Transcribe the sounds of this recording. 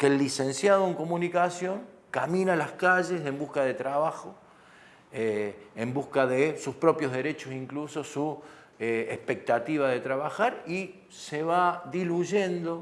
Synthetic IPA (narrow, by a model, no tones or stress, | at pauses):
kelːise̞nsjaðoeŋko̞mũnikasjo̞ŋ | kamĩnalaskaʒese̞mbuhkaðe̞t̪ɾaβaxo | eːmbuhkaðesuspɾo̞pjoɦðeɾe̞t͡ʃosiŋkluso̞su | eehpe̞k̚t̪at̪iβaðe̞t̪ɾaβaxaɾi | seβaðiluʒe̞nd̪o̞